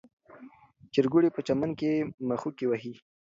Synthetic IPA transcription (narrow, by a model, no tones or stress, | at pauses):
t͡ʃɪɾɡuɽepət͡ʃamankemaxukewaɦi